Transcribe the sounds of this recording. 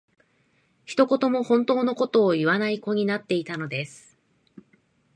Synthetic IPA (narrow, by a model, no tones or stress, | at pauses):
çi̥t̪o̞ko̞t̪o̞mo̞hõ̞nt̪o̞ːno̞ko̞t̪o̞ːiβanaiko̞ɲ̟inat̪ːe̞it̪ano̞d̪e̞sɨ̥